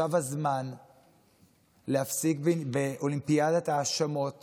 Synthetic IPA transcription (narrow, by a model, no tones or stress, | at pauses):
avazman | lehafsikbbeʔolimpiad̪at̪aːʃamo̞t